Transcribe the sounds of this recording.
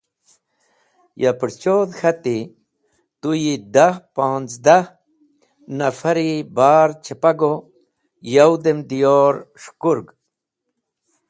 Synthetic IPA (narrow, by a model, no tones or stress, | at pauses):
japɨɾt͡ɕoːd̪xat̪i | t̪ujid̪ahpãːnt͡sd̪a | nɐfaɾibaːɾt͡ɕʰepaɡo | jawd̪emd̪ijoɾʂkuɾɡ